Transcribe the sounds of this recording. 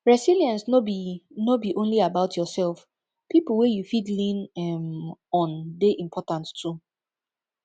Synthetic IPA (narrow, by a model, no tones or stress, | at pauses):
ɹɛsiliãnsnoinobiʔõnliabaʊtʰjɔsɛlˠf | pipl̩wɛjufidlĩnɛmɔ̃ndeʔĩmpʰɔtãnttːu